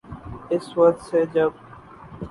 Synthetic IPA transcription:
ɪswək̚t̪seːd͡ʒəb

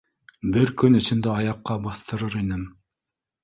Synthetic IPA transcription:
bɘɾkɵnɵ̆sɵ̆nd̪æɑjɑqːɑbɑθt̪ɤ̆ɾɤɾinɘm

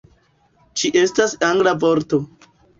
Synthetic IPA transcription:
t͡ʃiʔe̞stasaŋɡlavoɾto

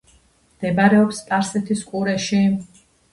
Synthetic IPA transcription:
md̪̥ɛbaɾɛɔpsp̪ʼaɾsɛt̪ʰiskʼuɾɛʃi

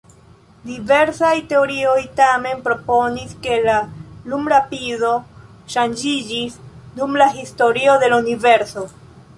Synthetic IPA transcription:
dive̞ɾsajte̞o̞ɾio̞jtame̞npɾo̞po̞niske̞lalumɾapizo̞ | ʃand͡ʒid͡ʒisdumlaɦisto̞ɾio̞de̞launive̞ɾso̞

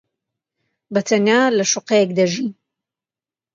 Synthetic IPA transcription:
bɐt̪ʰɐnjalɐʃuqejekd̪ɐʒin

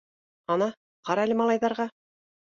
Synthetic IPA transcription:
ɑnɑ | qɑɾɑlʲɘmɑlˠɑjðɑɾʁɑ

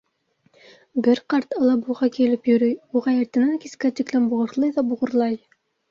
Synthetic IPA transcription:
bɘɾqɑɾt̪ɑlˠɑbuʁɑkilɘpjɵ̆ɾɘjuʁɑjɘ̆ɾt̪ɘ̆næŋkiskæt̪iklænbuʁɤ̆ɾlˠɤjðɑbuʁɤ̆ɾlˠɑj

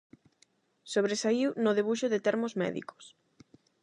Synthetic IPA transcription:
soβ̞ɾesaiwnʊðeβuʃʊðet̪ɛɾmozmɛ̰ðḭko̥s

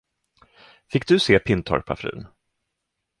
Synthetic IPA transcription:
fɪk̚ːd̪ɵseːpʰɪnt̪ʰɔ̰ɾpʰa̰fɾʉ̟̰ːn

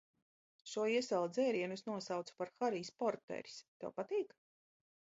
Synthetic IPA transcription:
ʃuɔiɛsɛlˠd̪zɛːɾiɛnusnuɔsawt̪su̥paɾxaɾiːspɔɾt̪ɛ̰ɾi̥st̪o̰wpat̪iːk

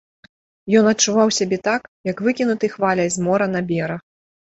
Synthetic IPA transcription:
jɔnɐt̚t͡ʂuvawsʲabʲɛt̪akjɐkvɨkʲinut̪ɨxvalʲɐjzmɔɾɐnɐbʲɛɾɐ

